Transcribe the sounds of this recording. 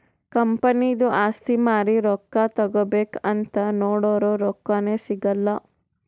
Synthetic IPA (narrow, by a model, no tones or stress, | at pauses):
kɐmpɐnid̪uʔaːst̪ʰimaːɾiɾɔkːat̪ɐɡobeːkɐnt̪ɐnoːɽoːɾoːɾɔkːɐneːsiɡɐlːɐ